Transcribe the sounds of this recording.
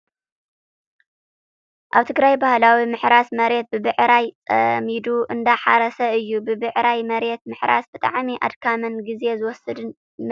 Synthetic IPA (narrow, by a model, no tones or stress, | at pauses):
ʔaβt̪ʰɨɡɾajbahlawimɨħɾasmɐɾe̞t̪̚bɨbɨʕɾajt͡sʼɐ̰mid̪uʔɨnd̪aħaɾɐsɐɨjːubɨbɨʕɾajmɐɾe̞t̪̚mɨħɾa̰sb̥ɨt̪ʼa̰ʕmiʔa̰d̪kʰamɐnɡize̞zɨwɔsɨd̪ɨn